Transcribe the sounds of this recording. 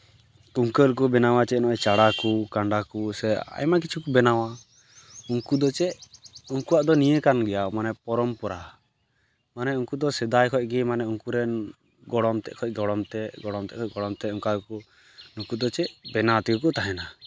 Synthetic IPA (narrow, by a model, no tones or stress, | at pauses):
kuŋkəlk̬ubɛnawat͡ʃɛnɔʔɛt͡ʃaɽakukaɳɖakusɛa̰jmak̬it͡ʃʰukubɛnawa | uŋkud̪ɔt͡ʃɛʔuŋkuwaʔd̪ɔnijəkanɡɛjamanɛpɔɾɔmpɔɾa | manɛuŋkud̪ɔsɛd̪ajkʰɔc̚ɡɛmanɛuŋkuɾɛn | ɡɔɽɔmt̪ɛ̰ʔkʰɔc̚ˀɡɔɽɔmt̪ɛɡɔɽɔmt̪ɛ̰ʔkʰɔcɡɔɽɔmt̪ɛuŋkaku | nukud̪ɔt͡ʃɛʔbɛnat̪iukɔt̪aɦɛna